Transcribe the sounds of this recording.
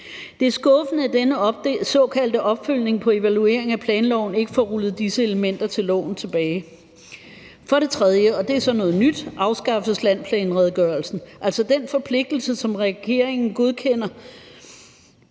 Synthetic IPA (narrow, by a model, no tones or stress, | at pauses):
d̥e̝æɐsɡ̥ɔ̽fənəæd̥enəsɒ̽kʰæl̰d̥əʔɒ̽b̥føl̰ne̝ŋpʰɒ̽e̝ʋælue̝̰ɐ̰e̝ŋæpʰlɛːnlɒʊ̰n̩e̝ɡ̥əfɒːʁulð̞̩ˠd̥isəe̝ləmen̰d̥ɐt͡sʰe̝lɒ̰ːn̩t͡sʰe̝b̥ɛːɪ | fɒ̽ɾe̝t͡sʰʁɛð̞ˠjəɒ̽d̥e̝æɐsɒ̽nɔ̽ːð̩ˠnyd̥ʔɑ̈ʊsɡ̥ɑ̈fslæn̰pʰlɛːnʁɛð̞ˠɡ̥ɶɐlsn̩ʔæl̰sɒ̽d̥enfɒ̽pʰle̝ɡ̥̚d̥l̩səsɒ̽mʁɛɡ̥e̝ɐ̰eŋn̩ɡ̥o̝ð̞ˠkʰen̰ɐ